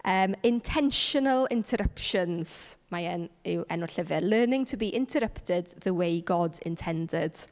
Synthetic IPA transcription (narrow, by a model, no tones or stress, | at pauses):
əːmɪ̃ntʰɛnʃənəlˠɪ̃ntʰəɾəpʃə̃nz̥majɛnɪwɛnɔɬəvɪlˠəːnɪ̃ŋtʰəbiʔɪ̃ntʰəɾəptɪdðəwejɡɔdɪ̰̃ntʰɛndɪd̥